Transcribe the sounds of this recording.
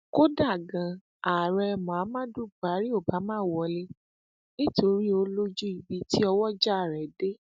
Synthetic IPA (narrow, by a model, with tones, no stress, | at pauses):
ko˦da˦˨ɡã˨ | a˨ɾɛ˧mã˨a˨˦mãː˦du˦ɡ͡ba˨˦ɾi˦o˦˨ba˨˦mãː˦˨wɔ˧˦le˦ | nĩ˦to˧ɾi˦o˧lo˦d͡ʒu˦i˨bi˧ti˦ɔ˧wɔ˦d͡ʒa˦˨ɾɛ˨de˦